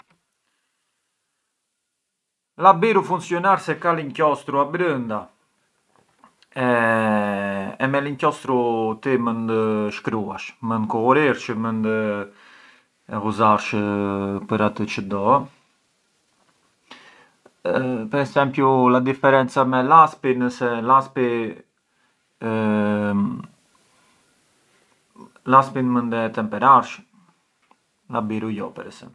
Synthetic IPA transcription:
labiɾufunsjɔnaɾsɛkaliɲcɔst̪ɾuabɾənd̪a | ɛ | mɛliɲcɔst̪ɾut̪imənd̪əʃkɾuaʃmənd̪kɔuɾiɾt͡ʃəmənd̪ə | ɛɣuzaɾʃəpəɾat̪ət͡ʃəd̪ɔ | pɛɾɛsɛmpjulad̪ifɛɾɛnt͡samɛlaspinəsɛlaspi | laspinmənd̪ɛt̪ɛmpɛɾaɾʃ | labiɾujɔpɛɾɛsɛ̰mp

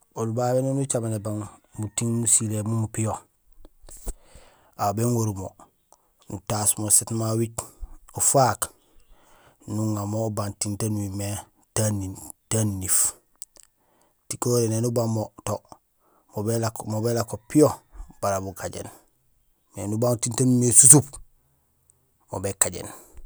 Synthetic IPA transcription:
olbabenonut͡ʃamanebaŋmutiŋmusilemumupijo | abeŋoɾumo | nṵtasmosetmawit͡ʃofak | nuŋamobantintanuwime | tanitanːif | tikoɾenenubamoto | obelmobelakopiob̥aɾabukaɟḛn | nḛnubaŋtintanimesusup | mo̰bekaɟḛn

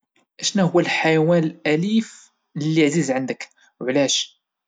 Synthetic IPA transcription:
ʔæʃnæhʊwːælħajwænəlʔælif | lːiʕzizʕənd̪ək | wʕlæʃ

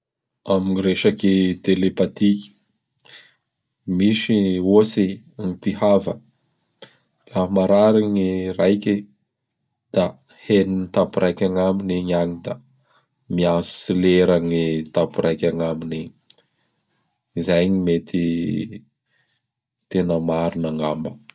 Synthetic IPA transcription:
aminiɾeʃaked̪̥elepat̪ikʲi̥ | miʃiose | ŋipihavə | lamaɾaɾaŋirajkʲi | d̪̥a | heninit̪apuɾʔajkʲaŋamineɲaɲid̪a | miasu̥sileɾaŋit̪apuɾajkʲaŋamineɲi | izajɲimet̪ʰi | t̪enəmaɾunaŋambə

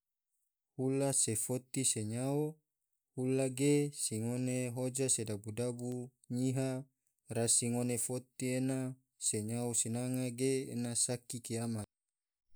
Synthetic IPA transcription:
hulasefot̪iseɲao | hulaɡesiŋoneɦod͡ʒasedabudabu | ɲiɦa | rasiŋonefot̪iena | seɲaosinaŋaɡḛːnasakikiamat̪̚

